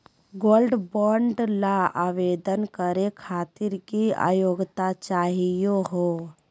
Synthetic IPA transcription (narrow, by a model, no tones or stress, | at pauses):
ɡoːlɖbɔːɳɖlaaːʋeːd̪ənkəɾekʰaːt̪ɪɾkia̰ːjoːɡt̪at͡ʃaːɦijoɦoː